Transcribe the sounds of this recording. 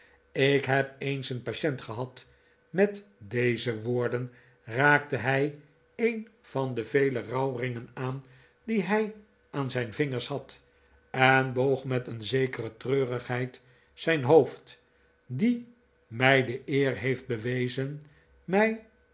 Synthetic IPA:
ɪkɦɛpejnsənpaʃɛntχəɦɑt | mɛtdejzəʋoːɹdən | raːk̚təɦɛj | ejnv̥ɑndəvejlərɑwrɪŋənaːn | diɦɛj | aːnzɛjnvɪŋəɹshɑt | ɛnbowχmɛtənzejkərətrøːrəχɦɛjt | sɛjnɦowft | di | mɛjdəʔɪːrɦejfd̚bəʋejzən | mɛj

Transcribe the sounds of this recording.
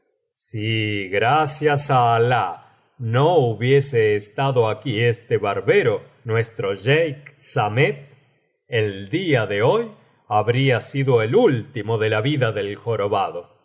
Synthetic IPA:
siɣɾasjasaːla | nouβje̞seːst̪aðoakiest̪eβaɾβe̞ɾo | nwe̞st̪ɾo̞ʒejksamet̪̚ | eld̪iaðe̞o̞j | aβɾiasiðo̞elult̪imo̞ðe̞laβiðaðelxo̞ɾoβaðo̞

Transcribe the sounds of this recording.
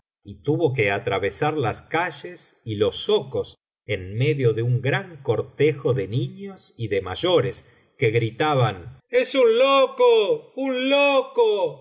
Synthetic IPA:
it̪uβo̞k̬eat̪ɾaβesaɾlaskaʒesilo̞soko̞s | enmeðjo̞ðeuŋɡɾaŋkoɾt̪exo̞ðeniɲo̞siðemaʒo̞ɾes | keɣɾit̪aβanesunlokounloko

